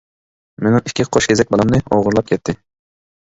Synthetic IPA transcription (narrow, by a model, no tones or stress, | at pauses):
menɪ̃ŋɪkʲʰːiqʰoʃkʲʰezɛk̚ʲbɑlˠɑmnɨo̰ʁʊɾlˠɑp̚kʲʰɛt̪ʰːɪ